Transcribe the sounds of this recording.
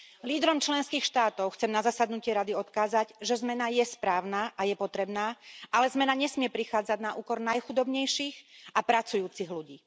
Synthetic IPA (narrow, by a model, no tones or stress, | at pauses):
liːd̪ɾɔmt͡ʃlɛnskiːxʃt̪aːt̪ɔʊxt͡sɛmnazasad̪nucɪɛɾad̪iɔt̪kaːzaɟʒɛzmɛnajɛspɾaːʊnaːʔajɛpɔt̪ɾɛbnaːʔalɛzmɛnaɲɛsmɪɛpɾixaːd͡zaɟnaʔuːkɔɾnajxud̪ɔbɲɛjʃiːɣapɾat͡sujuːt͡siɣluɟiː